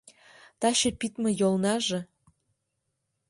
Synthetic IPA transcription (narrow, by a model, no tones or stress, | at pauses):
t̪ɑɕĕpit̪mɤ̆jolˠnɑʒɤ̆